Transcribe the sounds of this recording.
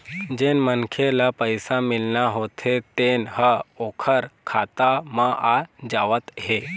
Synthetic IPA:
d͡ʑenmənkʰelapəjsãmilnaɦot̪ʰet̪enɦəokʰəɾkʰat̪amaʔad͡ʑaʋət̪ɦe

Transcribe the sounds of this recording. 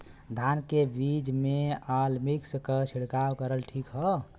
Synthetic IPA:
d̪ʱankebid͡ʒmealmikskət͡ʃʰiɽkawkəɾəlʈʰikɦə

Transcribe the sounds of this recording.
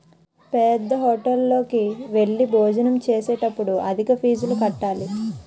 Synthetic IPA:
pɛd̪ːɐɦoːʈɐlːo̞ːkiʋe̞ɭːiboːd͡ʒɐnɐmt͡ʃeːsɛːʈɐpːuɽuʔɐd̪ʱikɐpʰiːd͡ʒulukɐʈːaːli

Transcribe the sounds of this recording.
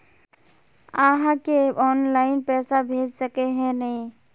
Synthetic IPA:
aɦãkeɔːnlaɪnpɛːsabʱeːd͡ʒsəkeɦɛ̃nəĩ

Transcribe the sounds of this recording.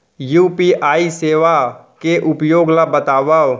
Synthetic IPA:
juːpiʔaːiseːʋakeʔʊpjoːɡlabət̪aːʋaːw

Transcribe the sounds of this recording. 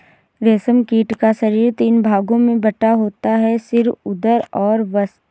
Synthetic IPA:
ɾeːsəmkiːʈkaʃɐɾiːɾt̪iːnbʱaːɡõmẽbɐʈaɦoːt̪aɦɛsɪɾʊd̪əɾɔːɾʋəs

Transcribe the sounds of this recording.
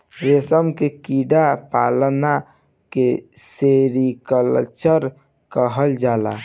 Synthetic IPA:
ɾesəmkekiɖapalna | keseɾikələ̰t͡ʃəɾ | kəɦəld͡ʒala̰

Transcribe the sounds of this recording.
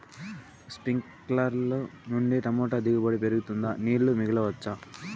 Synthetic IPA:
spiŋk | laɾlonuɳɖiʈɐmoːʈad̪iɡɐbɐɽipeɾuɡut̪und̪aniːlumiɡɐlɐʋɐt͡ʃːa

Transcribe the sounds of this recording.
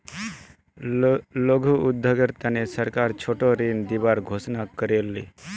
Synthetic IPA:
loɡʱuːd̪ʱːoɡeɾt̪ənesəɾkaɾt͡ʃʰoʈoɾind̪ibaɾɡʱosnakəɾelːḭ

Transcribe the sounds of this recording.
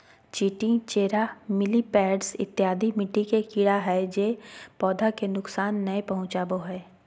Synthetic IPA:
t͡ʃiːʈĩt͡ʃeːɾamɪlipɛːɖsɪ̰t̪ːjaːd̪ʱimɪʈːikekiːɽaɦɛd͡ʒeːpɔːd̪ʱakenʊksaːnːɐepɐɦʊ̃t͡ʃaːboɦɛː

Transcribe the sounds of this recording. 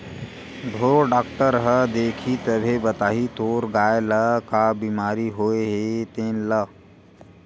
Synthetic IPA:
d̪ʱoːɾoɖaːkʈəɾɦəd̪eːkʰit̪əbʱebət̪aːɦit̪oːɾɡaːeləkabiːmaːɾiɦoːeɦet̪eːnlə

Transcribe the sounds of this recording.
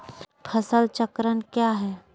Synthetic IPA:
pʰəsəlt͡ʃəkɾənkjaːɦɛː

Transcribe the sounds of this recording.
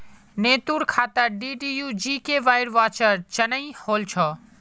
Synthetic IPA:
net̪uɾkʰat̪əɾɖiɖijud͡ʒikeʋajɾʋat͡ʃəɾt͡ʃənəjholt͡ʃʰʌ

